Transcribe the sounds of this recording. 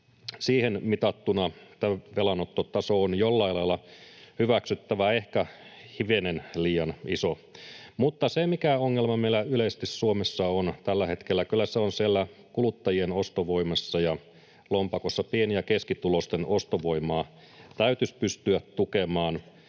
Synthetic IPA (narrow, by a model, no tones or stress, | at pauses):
siːhenmit̪ɑt̪ːunɑt̪æʋelɑnot̪ːot̪ɑsoonjolːɑilɑilːɑhyʋæksyt̪ːæʋæehkæhiʋenenliːjɑniso | mut̪ːɑsemikæoŋːelmɑmeilːæylest̪issuomesːɑont̪ælːæhe̞t̪kelːækylːæseonsielːækulut̪ːɑjienost̪oʋoimɑsːɑjɑ | lompɑkosːɑpienijækeskit̪ulost̪enʔost̪oʋo̞imɑː | t̪æyt̪yspyst̪yætt̪ukemɑːn